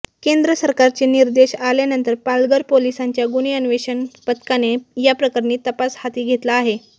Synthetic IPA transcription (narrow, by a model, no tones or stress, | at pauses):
kend̪ɾəsəɾkaɾt͡ɕeniɾd̪eɕalenənt̪əɾpalɡəɾpolisaɲt͡ɕjaɡuniənʋeɕənpət̪kanejapɾəkaɾniːt̪əpashat̪iːɡʱet̪laːɦe